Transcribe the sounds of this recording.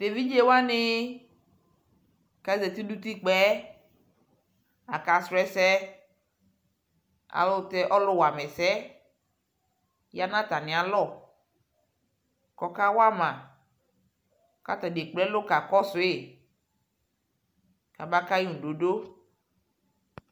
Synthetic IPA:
de˨vi˦d͡ʒe˦wa˦nɪ˦ | ka˨˦zɛ˨t̪i˦du˦t̪i˦k͡pɛ˦ | a˨ka˨sɛ˨sɛ˦ | a̰˨lʊ˦tɛ˦ʔɔ˦lʊ˦wa˨mɛ˨sɛ˦ | ja˦nã˦t̪a˨nɪ̃˨a˨lɔ˦˨ | kɔ˨ka˦wa˦mã˨ | ka˦t̪a˨de˨k͡plɛ˦lʊ˦ka˨kɔ˦sʊ˨e˨ | ka˨ba˦ka˦ji˦ŋũ˨do˨do˦

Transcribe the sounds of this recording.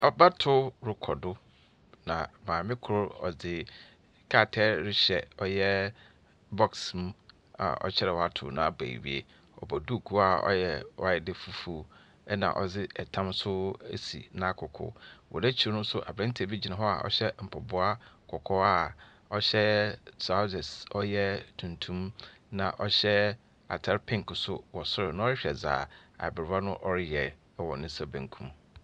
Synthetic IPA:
ɔ˨ba˦tʰʊ˦ɾʊ˨kʰɔ˨dʊ˦ | nã̰˨mãː˨mɪ̃˦kʰʊ˨ɾʊ˦ɔ̰˨d͡zɪ˨ | kʰa˦˨tʰɛ˦ɾɪ˦ɕɛ˨ɔ˦jɛ˦ | bɔ˦ksm˦ | a̰˨ɔ̰˨t͡ɕʰɛ˦ɾɛ˨wɔ˨a˦tʰʊ̰˨nã̰˨˦˨ba̰˨ḭ˨wḭ˨ḛ˦ | ɔ̰˨bɔ˨du˦˨kʰu˦a˨ɔ̰˦jɛ˨wa˨ɪ˨dɪ˨fu˨fu˨ | ɛ˦nã̰˨ʔɔ˨d͡zɪ˦ɛ˨tʰã˦msʊ˦ḛ˦sḭ˨nã˦˨kʰʊ˨kʰʊ̰˨wʔɔ̰˨nɛ˦t͡ɕʰi˨˦nʊ̃˦sʊ˦ʔa̰˨bɾã˦n̩˦tʰe˨bi˦d͡ʑi˦nã˨ɦɔ˦a̰˨ʔɔ̰˦ɕɛ˦m̩˨pʰɔ˨bʊ˦a˦kʰɔ˨kʰɔ˦a˨ | ɔ˦ɕɛ˦sa˦zɛ˨sɔ˦jɛ˦tʰũ˨ntʰũ˦mnã˨ʔɔ˦ɕɛ˦ | a̰˨tʰa˦ɾpʰɪ̃˦ŋ˨ksʊ˦wɔ˨sʊ˦ɾɪ˨nã˦ɔ˦ɾɪ˦ɕᶣɛ˨za̰ː˨a̰˨bɪ˨ɾa˦nʊ̃˦ʔɔ˦ɾɪ˦jɛ˨˦ | wɔ̃˨nɪ̃˦sa˦bæ̃˨ŋ˦kʰũ˦m

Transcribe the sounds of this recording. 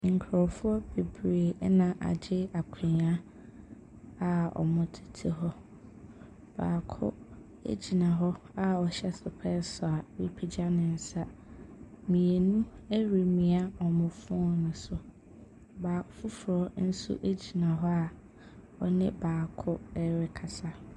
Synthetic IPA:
ŋ̩˨kʰɾɔ˨fʊ˦ɔ˦b̥e˨bɾe˨˦nã˨ʔa̰˨d͡ʑɪ˦a˨kʰɪ̃˨ɲa˦ | a˨ɔ̰˨mʊ̃˨tʰi̥˨tʰi˨ɦɔ˦ | b̥a̰ː˨kʰʊ̰˦ | ḛ˦d͡ʑi˨nã˨ɦɔ˦ | a˦˨ɔ˨ɕɛ˦sʊ˨pʰɛ˦sɔ˨a˨wi˦pʰi˨d͡ʑa˦nɪ̃˨n̩˨sa˦ | mĩ˨e˨nũ˦e˦ɾi˨mĩ˨a˦ɔ˨mʊ̃˨fʊ̃˦ɔ˦nʊ̃˨sʊ˨ | baː˨kfʊ˦fʊ˨ɾɔ˨˦n̩˦sṵ˦ʔe˦d͡ʑi˨nã˨ɦɔ˦a˨ | ɔ˨nɪ̃˦baː˨kʰʊ˦ɛ˦ɾɪ˦kʰa˨sa˦

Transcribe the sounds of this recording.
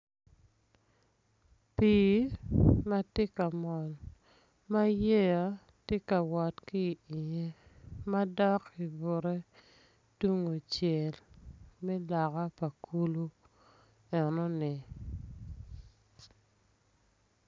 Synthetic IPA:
piː˦ | ma˦te˦ka˨mɔ˨l | ma˦je˦ja˦ | te˦ka˨wɔ˨tki˦˨i˨ɲe˦ma˦dɔ˦ki˨bo˨ɾe˦ | tu˦ŋo˨t͡ʃje˨lmɛ˦la˨ka˦pa˨kʰu˦lu˦ | ɛ˨nɔ˦nɪ˨

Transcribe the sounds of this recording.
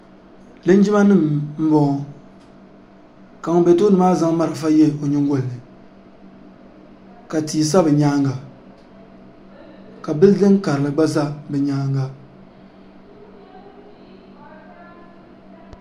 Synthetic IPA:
lɨ˦n˦d͡ʒi˦ma˦nɨ˦˨mm̩˦bɔ˦ŋ˦ | ka˨ŋ˨bɛ˨to˦nɨ˨maː˦za˦ŋ˦ma˦ɾɨ˨fa˦jɛ˦˨o˨ɲɪ˦ŋ˦ɡo˨lnɨ˨ | ka˨tiː˨s̬a˦bɨ˨ɲaː˦ŋɡa˨ | ka˨bɨ˦ldɨ˦ŋ˦ka˨ɾɨ˨lɨ˨ɡ͡ba˦za˦bɛ˨ɲaː˦ŋɡa˦

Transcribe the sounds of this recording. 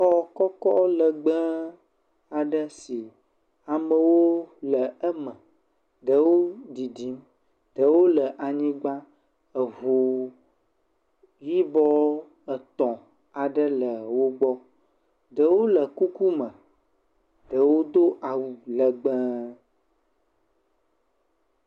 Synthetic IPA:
ɔ˦kɔ˦kɔ˦lə˨ɡ͡bə˦ | a˨ɖə˦si˨ | a˨mə˨wo˦lə˨ə˦mə̃˨ | ɖə˦wo˦di˨di˨˦m | ɖ̥ə˦wo˦lə˨ʔa˨ɲĩ˦ɡ͡ba˦ | ə˨vo˨ | ji˦bɔ˦ | ə˨t̪ɔ̃˨ | a˨ɖə˦lə˨wo˦ɡ͡bɔ˦ | ɖə˦wo˦lə˨ku˦ku˦mə̃˨ | ɖə˨wo˦d̪o˦ʔa˨wu˨lə˨ɡ͡bə˦

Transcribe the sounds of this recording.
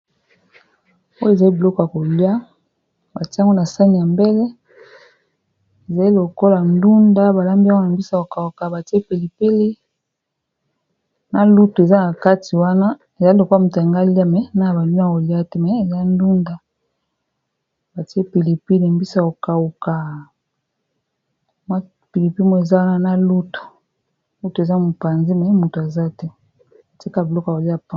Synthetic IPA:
o˦je˨za˨li˦bi˨lɔ˦ko˨a˨ko˨li˦a˦ | ba˨ti˦ŋɡo˦na˨sa˦ni˨ja˨mbe˦le˦ | e˨za˨li˦lo˨ko˦la˨ndu˦nda˦ba˨la˦mbi˦ŋɡo˦na˨mbi˦sa˦˨o˨ka˨u˨ka˨ba˨ti˦e˦pe˨li˨pe˦le˦ | na˨lu˦tu˨e˨za˦na˨ka˦ti˨wa˦na˦ | e˨za˦lo˨ku˦a˦mu˨tŋɡa˦li˦a˦mɛ˦na˦a˨ba˨lu˦n˦a˦˨ko˨li˦a˦tɛ˦mɛ˨˦e˨za˦n˦du˦nda˨ | ba˨ti˦e˦pe˨li˨pi˦le˨mbi˦sa˨o˨ka˨u˨ka˨ | ma˦ | pi˨li˨pi˦mo˦e˨za˦wa˦na˦na˦lu˦tu̥˨˦ | lu˦to˨e˨za˦mu˨pa˨nzi˦mɛ˨˦mu˨to˨a˨za˦tɛ˦ | a˨ti˦ka˦˨bi˨lɔ˦ka˨o˨li˦a˨pa˦

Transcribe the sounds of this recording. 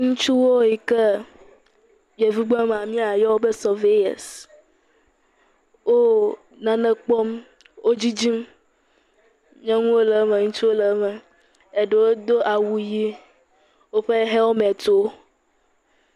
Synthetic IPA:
ŋũ˦t͡ʃu˦wo˦ji˨ke˦ | je˨vi˦ɡ͡bɔ̃˦m˨a˨mĩ˦a˨jɔ˦wo˦be˦sɔ˨ve˦jɛ̰˨s | wo˦ | nã˨nɛ̃˨k͡pɔ˦m | wʔo˦d͡ʑi˦d͡ʑi˦m | ɲɛ̃˦ŋũ˦wo˦lɛ˨˦me˨ŋũ˦t͡ʃu˦wo˦lɛ˨˦mɛ̃˨ | e˨ɖe˨wo˦d̪o˦ʔa˨wu˨ji˦ | wo˦ɸe˦ɦe˦wo˦mɛ̃˨t̪o˦

